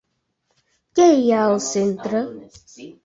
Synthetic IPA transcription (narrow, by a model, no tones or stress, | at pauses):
kejaosɪn̩tɾə